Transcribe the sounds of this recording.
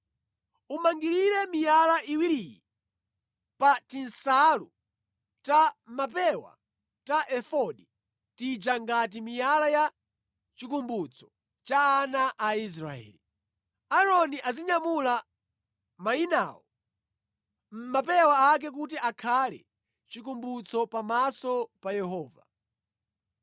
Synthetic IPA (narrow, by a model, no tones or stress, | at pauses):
umaŋɡiɾiɾɛmijalaʔiwiɾiji | patinsalu | tamapɛwa̰ | taʔɛfɔɗi | tid͡ʒaŋɡat̬imijalaja | t͡ʃikumbut͡sʰɔ̥ | t͡ʃaːnaʔais̬ɾaɛ̰ːli | aɾɔniʔaziɲamula | maina̰ːwɔ | m̩mapɛwaːk̬ɛk̬ut̬iʔakʰalɛ̰ | t͡ʃikumbut͡sʰɔpamasɔpajɛɦɔːva̰